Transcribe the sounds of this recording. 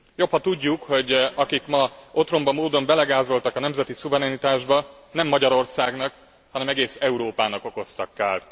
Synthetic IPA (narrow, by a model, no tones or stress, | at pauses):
jo̞phɒt̪uɟːukho̞ɟɒkikmɒo̞t̪ro̞mbɒmoːd̪o̞mbɛlɛɡaːzo̞lt̪ɒkɒnɛmzɛt̪isuvɛɾɛnit̪aːʒbɒ | nɛmːɒɟɒɾo̞rsaːɡnɒk | hɒnɛmɛɡeːsɛuɾoːpaːnɒko̞ko̞st̪ɒkːaːl